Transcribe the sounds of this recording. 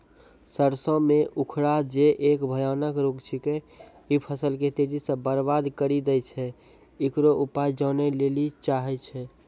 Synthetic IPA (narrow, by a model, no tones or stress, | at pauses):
səɾsɔ̃meʔukʰɽad͡ʒeʔekbʱəjanəkɾoɡt͡ʃʰike | ipʰəsəlket̪ed͡ʒ̪isə̃bəɾbad̪kəɾid̪ɛjt͡ʃʰɛ | ikɾoʔupajd͡ʒɔnɛlelit͡ʃaɦɛt͡ʃʰɛ